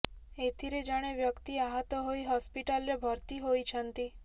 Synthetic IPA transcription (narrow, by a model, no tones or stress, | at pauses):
et̪ʰiɾed͡ʒaɽ̃eʋjəkt̪iaɦət̪ɔɦoiɦɔspiʈalɾebʱəɾt̪iɦojt͡ʃʰənt̪i